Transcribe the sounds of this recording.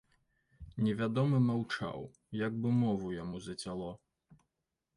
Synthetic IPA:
nʲɛvʲad̪ɔmɨmawt͡ʂa̰w | jaɡ̚bɨmɔvujamuzɐt͡sʲalˠɔ

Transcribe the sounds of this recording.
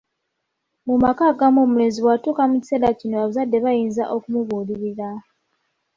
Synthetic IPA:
mumakaːɡamoːmuleziβwatukamuci̥selacinoaβazadːe̞βajiːnzaʔo̞kumuβuːliɾiɾa

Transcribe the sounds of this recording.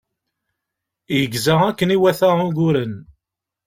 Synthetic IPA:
jəɡzəʁækːəniwæθæʁuɡʊɾən

